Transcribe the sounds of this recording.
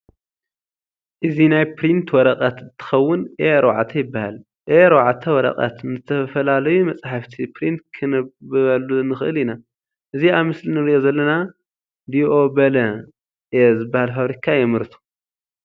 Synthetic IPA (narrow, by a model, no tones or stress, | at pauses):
ʔɨzinajpɾint̪ʰwɔɾɐkʼat̪ɨt̪ʰːɨ̥xɐwːʊnʔeɾoʕa̰t̪ʰɐjɪbːaha̰l | ʔeɾoʕat̪ʰɐwɔɾɐ̰kʼɐ̰t̪nɨzɨt̪ʰɐfɐlalɐjumɐt͡sʼaħaft̪ʰipɾint̪̚kʰɨnɐbɨβɐlunɨxɨʔɨ̰lina | ʔɨziaβmɨslinɨɾiʔo̞zɐlːɐna | d̪iʔo̞bɐlɐ | ɛzɨbːahalfaβɾikʰajɛmɨɾt̪ʰu̥